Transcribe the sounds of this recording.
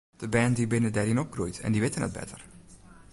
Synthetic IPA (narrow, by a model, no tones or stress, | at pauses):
d̥əbɛːndibɪnədɛɾɪnɔp̚krujtɛ̰ndiʋɪtənə̰d̚bɛ̰tər